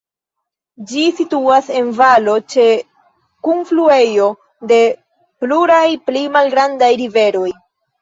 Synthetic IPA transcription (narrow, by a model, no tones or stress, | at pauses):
d͡ʒisituase̞nvalo̞t͡ʃe̞ | kunflue̞jo̞ | de̞ | pluɾajplimalɡɾandajɾive̞ɾo̞j